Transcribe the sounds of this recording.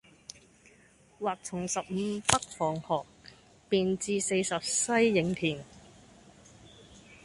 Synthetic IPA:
waː˨˩k̚t͡sʰʊ˨˩ŋsɐ˨p̚m̩˨˧pɐ˥k̚fɔː˨˩ŋhɔː˨k̚ | piː˨nt͡siː˧se˧jsɐ˨p̚sɐ˥jːɪ˨˥ŋt̪ʰiː˨˩n

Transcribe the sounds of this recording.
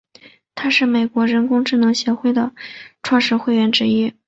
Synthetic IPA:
t̪ʰa˥ʂɻ̩˥˩me˨˩ɪkwɔ˧˥ɻə˧˥nkʊ˥ŋʈ͡ʂɻ̩˥˩nɤ˧˥ŋɕjɛ˧˥xwe˥˩ɪd̪ə˩ʈ͡ʂʰwɑ˥˧ŋʂɻ̩˥˧xwe˥˧ɪɥɛ˥˩nʈ͡ʂɻ̩˥i˥

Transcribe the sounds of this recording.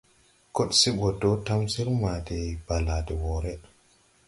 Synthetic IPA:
ko˦ɗsi˦ɓɔ˨do˦ta˦msi˦ɾma˨dɛ˨ba˨la˨dɛ˨wɔ˨ɾɛ˦

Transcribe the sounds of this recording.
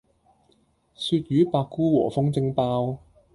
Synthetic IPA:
syː˧t̪̚jyː˨˦paː˧kːuː˥wɔː˨˩fʊ˥ŋt͡sɪ˧ŋpaː˧w

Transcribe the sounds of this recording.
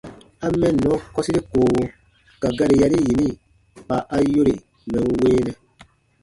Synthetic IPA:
a˦mɛ̃˦nːɔ̃˨˦kɔ˦si˦ɾi˦koː˨wo˧ | ka˨ɡa˦ɾi˨ja˧ɾi˦ji˨nĩ˦˨ | pa˨ʔa˦jo˦ɾe˨ | mɛ̃˨n˦weː˦nɛ˦

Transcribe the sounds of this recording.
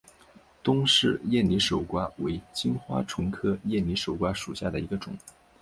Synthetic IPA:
t̪ʊ˥ŋʂɻ̩˥˧jɛ˥˩nli˧˥ʂo˨˩ʊkwa˥we˧˥ɪt͡ɕi˥ŋxwa̰˥ʈ͡ʂʰʊ˧˥ŋkʰɤ˥jɛ˥˩nli˧˥ʂo˨˩ʊkwa˥ʂu˨˩ɕja˥˩d̪ə˩i˧˥ɡə˧ʈ͡ʂʊ̰˨˩˦ŋ

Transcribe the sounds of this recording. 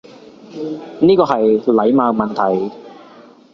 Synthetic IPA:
niː˥kɔː˧ɦɐ˨jlɐ˨˥jmaː˨˧mɐ˨nt̪ʰɐ˨˩j

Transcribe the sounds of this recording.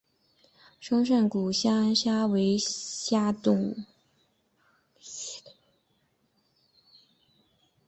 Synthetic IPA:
ʂɤ˥ŋʂ̬ə˥˩nku˨˩ɕja˥a˥nɕja˥we˧˥ɪɕja˥t̪ʊ˥˩ŋ

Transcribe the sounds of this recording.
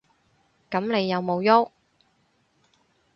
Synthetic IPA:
kɐ˨˥mne˨˧jːɐ˨˧wmo˨˧wjo˥

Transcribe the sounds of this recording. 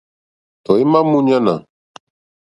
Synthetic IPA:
t̪ɔ˨i˦ma˦mu˦ɲa˦na̰˨

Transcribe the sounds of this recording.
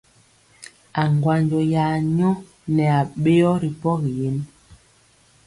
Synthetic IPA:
a˨ŋɡwa˨nd͡ʒɔ˨ja˨ɲɔ˦ | nɛ˨a˨ɓe˦ɔ˦ɾi˨pɔ˦ɣi˨je˨˦n

